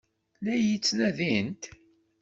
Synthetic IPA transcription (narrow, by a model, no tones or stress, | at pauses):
læjit͡sːnæðint̪